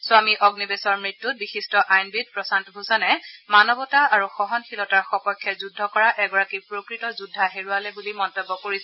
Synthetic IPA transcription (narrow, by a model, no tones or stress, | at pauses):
swamiʔɔɡnibesɔɹmɹitːut̚bixistɔʔajnbid̚pɹɔsantɔbʱuzɔnɛmanɔbɔtaaɹuxɔɦɔnxilɔtaɹxɔpɔjkʰːjɛzudʱːɔkɔɹaʔɛɡɔɹakipɹokɹitɔzudʱːaɦeɹualɛbulimɔntɔbːɔkoɹis